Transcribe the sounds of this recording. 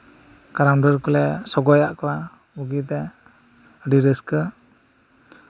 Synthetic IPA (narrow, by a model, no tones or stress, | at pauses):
kaɾanɖəɾkɔlɛsɔɡɔjaʔkawa | buɡit̪ɛ | ɖiɾəskə